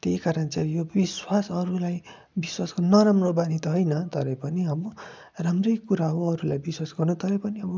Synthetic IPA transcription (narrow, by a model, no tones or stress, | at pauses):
t̪eikaɾʌnt͡sajobiswasʌɾulaj | biswaskonʌɾamrobanit̪ʌɦojnʌt̪ʌɾʌpʌniɦʌbo | ramrʌjkuɾaɦoʌɾulajbiswasɡʌrnut̪ʌɾʌpʌniʌbʌ